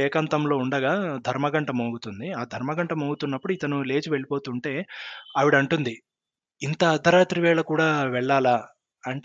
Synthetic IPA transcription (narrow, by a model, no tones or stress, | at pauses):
ɛːkɐnt̪ɐmlo̞ːuɳɖɐɡaːd̪ʱɐɾmɐɡɐɳʈɐmoːɡut̪und̪iaːd̪ʱɐɾmɐɡɐɳʈɐmoːɡut̪unːɐpːuɽuit̪ɐnule̞ːd͡ʒuʋe̞ɭipo̞ːt̪uːɳʈe̞ːɐʋiɽɐɳʈund̪i | int̪ɐːd̪ʱːɐɾaːt̪ɾiʋɛːɭɐkuːɽaːʋɛɭːaːlaː | ɐɳʈː